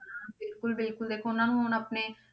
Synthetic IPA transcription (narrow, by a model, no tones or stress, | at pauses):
bekulbelkuld̪ekʰonːanmonapne